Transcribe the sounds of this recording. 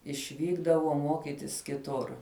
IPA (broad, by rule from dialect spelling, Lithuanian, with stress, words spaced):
ɪʃʲˈʋʲiːɡdɐʋoː ˈmoːkʲɪtʲɪs kʲɪˈtʊr